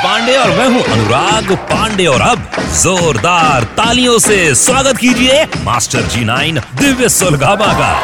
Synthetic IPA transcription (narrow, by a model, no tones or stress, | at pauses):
pãːɳɖeɔːɾmɛ̃ːɦũʔɐ̰nʊɾaːɡpãːɳɖeɔːɾɐbzoːɾd̪aːɾt̪aːlijõseswaːɡət̪kiːd͡ʒieːma̰ːsʈəɾd͡ʒiːnaːɪnd̪ɪʋjəsoːlɡaːbaka̰ː